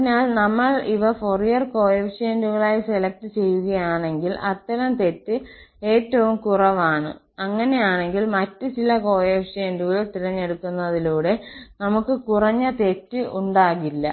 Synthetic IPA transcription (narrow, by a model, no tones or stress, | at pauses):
ɐnaːlnɐmːɐɭiʋɐforijɐrko̞ːjɐpʂeːnduɣɐɭaːjiselɐk̚ʈɨt͡ɕe̞jːuɣɐjaːɳe̞ŋɡilɐt̪ːɐɾɐmt̪e̞tːɨe̞ːtːɐʋumkurɐʋaːɳɨ̰ | ɐŋːɐne̞jaːɳe̞ŋɡilmɐtːɨt͡ɕilɐko̞ːjɐpʂeːnduɣɐɭt̪iɾɐɲːe̞ɽukːunːɐðiluːɽe̞nɐmukːɨkurɐɲːɐt̪e̞tːɨʔuɳɖaːɣilːɐ̰